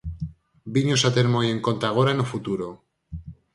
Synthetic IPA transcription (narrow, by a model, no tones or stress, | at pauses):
biɲosat̪eɾmoje̞ŋko̞nt̪aɣ̞oɾanofut̪uɾo